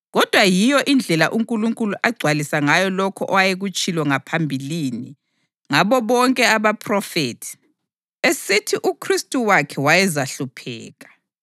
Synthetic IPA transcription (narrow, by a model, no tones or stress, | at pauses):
ɣɔd̥ʱwajijɔʔind͡ɮʱɛlaʔuŋkʼuluŋkʼuluʔaɡ͡ǀʱwalisaŋajɔlɔkʰɔʔɔwajeɣut͡ʃʼilwɔŋapʰambʱilini | ŋaβɔβɔŋkʼɛaβapʰʼrɔfḛtʰi̥ | esitʰiʔukʰristʼuwakʰɛwajɛzaɬupʰɛ̰ːɣḁ